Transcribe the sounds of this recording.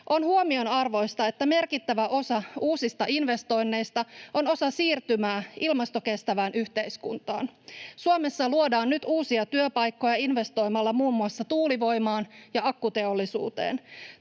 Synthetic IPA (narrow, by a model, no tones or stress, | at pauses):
ʔo̞nhuomio̞nɑrʋo̞jst̪ɑe̞t̪ːæme̞rkit̪ːæʋæʔo̞sɑuːsist̪ɑʔinʋe̞st̪o̞jnːe̞jst̪ɑo̞no̞sɑsiːrt̪ymæːʔilmɑst̪o̞ke̞st̪æʋæːnʔyçt̪e̞jskṵnt̪ɑ̰ːnsuome̞sːɑluodɑːnnyt̪uːsiɑt̪yøpɑjkːo̞jɑinʋe̞st̪o̞jmɑlːɑmuːmːuɑsːɑt̪uːliʋo̞jmɑːnjɑɑkːut̪e̞olːisṵːt̪ḛːn